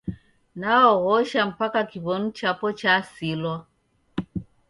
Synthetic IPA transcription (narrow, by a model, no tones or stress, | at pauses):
naɔɣɔʃam̩pakakiβɔnut͡ʃapɔt͡ʃasilwɔ